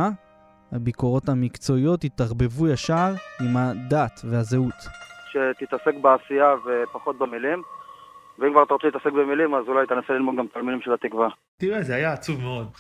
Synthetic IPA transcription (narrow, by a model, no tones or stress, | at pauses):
habiko̞ʁo̞t̪hamikt͡so̞ijo̞tit̪aʁbe̞vujaʃaʁimad̪at̪vehazeut̪ʃe̞t̪it̪ase̞kbeasiavepaχo̞t̪̚bemilim | veimkvaʁat̪aʁot͡seit̪asek̚bemilimazulajt̪enaselilmod̪̚ɡamt̪almidimʃelat̪ikva | t̪iʁezeajaːt͡suvmeo̞d̪